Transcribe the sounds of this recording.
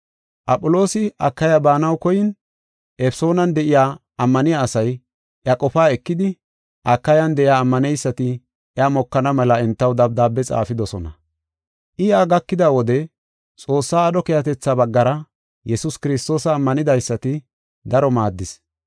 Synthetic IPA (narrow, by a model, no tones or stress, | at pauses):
ʔɐpʼʊlo̞ːsɪɐ̰kːɐjɐbaːnɐwkɔjɪn | ʔɛfso̞ːnɐnd̪ɛʔɪjaː | ɐmːɐnɪjaːsɐj | ʔjɐkʼɔfaːɛkːɪd̪ɪ | ʔɐkːɐjɐnd̪ɛʔɪjaːmːɐnɛjsːɐt̪ɪ | ɛɐmɔkːɐnɐmɛlɐɛnt̪ːɐwd̪ɐb̚d̪aːbːɛt͡sʼa̰ːfɪd̪ɔsɔnɐ̰ | ʔɪɐɡɐkːɪd̪awɔd̪ɛ | t͡sʼo̞ːsːaːd̪ɔkejɐt̪ɛt͡sːabɐɡːɐɾɐ | jɛsʊskɪɾɪst̪o̞ːsɐːmːɐnɪd̪ɐjsːɐt̪ɪ | d̪ɐɾɔmaːd̪ːɪs